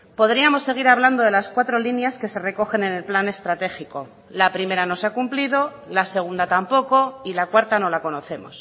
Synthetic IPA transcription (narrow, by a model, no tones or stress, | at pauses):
po̞ðɾiamo̞sːe̞ɣ̞iɾaβ̞land̪o̞ð̞elaskwat̪ɾo̞linjaske̞se̞re̞ko̞xe̞nene̞lplane̞st̪ɾat̪e̞xiko̞ | lapɾime̞ɾano̞sakumplið̞o̞ | lase̞ɣ̞und̪at̪ampo̞ko̞ilakwaɾt̪ano̞lako̞no̞θe̞mo̞̰s